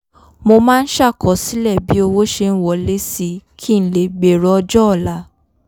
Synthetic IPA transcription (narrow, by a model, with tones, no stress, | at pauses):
mo˧mãː˦˧n̩˦ʃa˦˨kɔ˨˦si˨˦lɛ˦˨bi˨˦o˧wo˦ʃe˧ñ̩˦wɔ˨le˦si˧kʰi˦n̩˨le˨ɡ͡be˨ɾɔ˧ɔ˧d͡ʒɔ˦ɔ˦˨la˨˦